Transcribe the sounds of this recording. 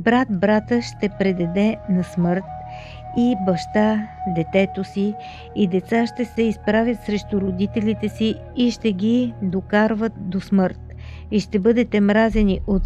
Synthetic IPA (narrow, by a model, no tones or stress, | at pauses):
bɾat̪̚bɾat̪əʃt̪ɛpɾɛd̪ɛd̪ɛnɐsmɤɾt̪̚ | ibɐʃt̪ad̪ɛt̪ɛt̪osiː | d̪ɛt̪saʃt̪ɛsɛispɾavʲjət̪sɾɛʃt̪ʊɾod̪it̪ɛlit̪ɛsiː | ʃt̪ɛɡʲid̪okaɾvət̪̚d̪osmɤɾt̪ | iʃt̪ɛbɤd̪ɛt̪ɛmɾazɛniʔot̪